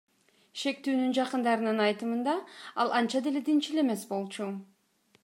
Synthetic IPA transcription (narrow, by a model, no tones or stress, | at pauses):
ʃe̞k̚t̪yːnynd͡ʒɑqɯnd̪ɑɾɯnɯnɑjt̪ɯmɯnd̪ɑɑlˠɑnt͡ʃɑd̪e̞le̞d̪int͡ʃile̞me̞sbo̞lˠt͡ʃu